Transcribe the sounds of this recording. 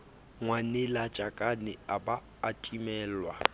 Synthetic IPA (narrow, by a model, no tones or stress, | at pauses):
ŋwanɛlat͡ʃʼakʼanɪabaːtʼimɛːlwa